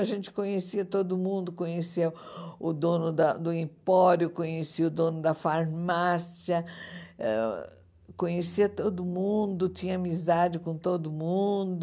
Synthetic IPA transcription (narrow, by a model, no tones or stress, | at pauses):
aʒẽnt͡ʃɪ̥kõɲesiɐt̪od̪ʊmũnd̪ʊkõɲesiɐ | ʊd̪õnʊd̪ɐd̪ʊĩpɔɾjʊkõɲesiɐʊd̪õnʊd̪ɐfaɾmasiɐɛ̰ | kõɲesiɐt̪od̪ʊmũd̪ʊt͡ʃĩɲɐamizad͡ʒɪkõt̪od̪ʊmũd̪ʊ